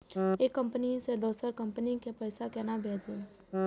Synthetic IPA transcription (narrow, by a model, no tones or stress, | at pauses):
eːkːə̃mpənised̪oːsəɾkə̃mpənikepəjɪsakɛnabʱeːd͡ʒẽ